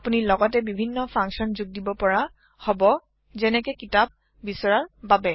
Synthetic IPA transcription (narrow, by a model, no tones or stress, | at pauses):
apunilɔɡɔtɛbibʱinːɔpʰãŋksɔnzuɡ̚dibɔpɔɹa | hɔbɔ | zɛnɛkɛkitab̚ | bisɔɹaɹbabɛ